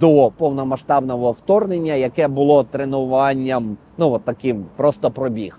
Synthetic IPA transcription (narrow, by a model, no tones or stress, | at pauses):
d̪̥ɔpɔwnɔmɐʃt̪ɑbnɔɦɔwt̪ɔrnenʲːɐjɐkɛbʊlˠɔt̪ɾenʊʋɑnʲːɐm | nuʋɔt̪ːɐkɪmpɾɔst̪ɔpɾɔbʲix